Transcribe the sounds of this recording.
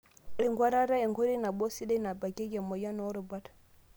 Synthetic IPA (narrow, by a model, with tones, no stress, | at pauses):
ɾe˨ŋɡwa˦ɾa˦ɾa˦jɛ˨ŋɡo˦ɾi˦na˨bɔ˦si˦da˦na˨ba˨ɡɛ˦ɡɛ˨mɔ˨ja˦nɔ˨˦ɾo˨ba˦tḁ˨